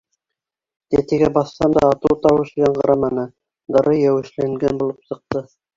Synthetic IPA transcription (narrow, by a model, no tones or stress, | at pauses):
t̪æt̪ɘɡæbɑθːɑnd̪ɑ̰ːt̪ɤwt̪ɑwɤ̆ʃiɡæɴʁɑɾɑmɑnɤ | d̪ɑɾʔɤjæwɘ̆ʃlæŋɡænbulˠɤpsɤ̆q̚t̪ɤ